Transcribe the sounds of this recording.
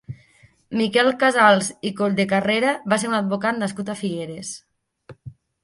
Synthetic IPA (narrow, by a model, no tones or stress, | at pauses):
mikɛlˠkazalˠzikoʎd̪ekareɾaβaseɾunad̪̚βokat̪naskut̪afiɣeɾes